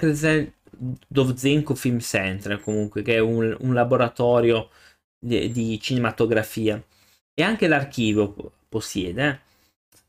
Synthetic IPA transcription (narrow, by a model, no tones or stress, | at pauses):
kezɛ | d̪ovd̪zeŋkofilmsɛnt̪ɾekomuŋkwekeɛununlaboɾat̪ɔːɾjo | d̪it͡ʃinemat̪oɡɾafiːa | eaŋkelark̟iːvjoposjɛːd̪e